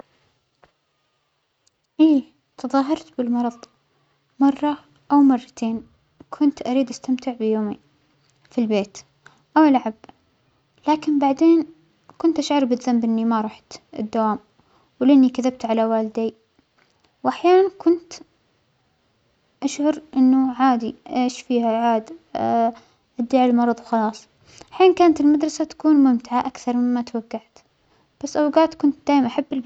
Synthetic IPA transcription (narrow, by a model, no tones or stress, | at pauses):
ʔiː | t̪ʰɨðˤɑːɦɑɾˤt̪bɪlmɑɾˤɑðˤ | mɑrˤːɑ | ʔawmɑrˤːɑt̪ʰeːn | kʰʊnt̪ʔaɾiːd̪ʔast̪amt̪ɪʕbɪjoːmi | filbeːt̪ | ʔawlʕab | laːkɪnbaʕd̪eːn | kʊnt̪ʔaʃʕɑɾˤbɪt̪zambʔɪnːimaɾˤɑːħt̪ɪ̰d̪ːawaːm | wlʔɪnːikaðab̚t̪ʕalawaːlɪd̪eː | wʔaħjaːnankʊnt̪ | ʔaʃʕʊɾʔɪnːʊʕaːd̪iʔeːʃfiːhaʕaːd̪ | ʔad̪ːiːʕɪlmɑɾˤɑðˤwxɑlɑːsˤ | ʔaħiːnkaːnat̪ɪlmad̪ɾˤɑsat̪ḁkuːnmʊmt̪ɪʕaʔakθɑɾˤmɪmːat̪waɡːaʕt̪ | b̥asːʔawɡaːt̪kʊnt̪̚d̪aːjmʔaħabːɪl